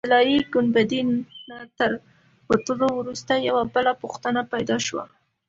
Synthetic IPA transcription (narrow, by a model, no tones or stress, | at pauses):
lɑɾiɡʊnbad̪inːat̪əɾ | wat̪əlowɾust̪ajawabəlapuxt̪ənapajd̪ɑʃwa̰